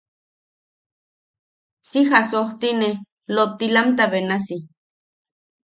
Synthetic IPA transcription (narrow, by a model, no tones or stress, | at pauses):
sixasoht̪ine | lot̪ilamt̪aβenasi